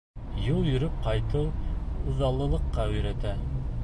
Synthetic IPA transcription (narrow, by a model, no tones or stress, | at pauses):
jɤlˠjɵ̆ɾɵp̚qɑjt̪ɤwŭðɑlˠːɤ̆lˠɤ̆qːɑɵ̆jɾæt̪æ